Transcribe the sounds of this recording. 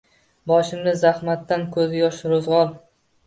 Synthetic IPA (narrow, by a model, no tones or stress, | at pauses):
bɒʃɪmnɪzahmat̪ːankʰɵzɪjɒʃɾozʁɒlˠ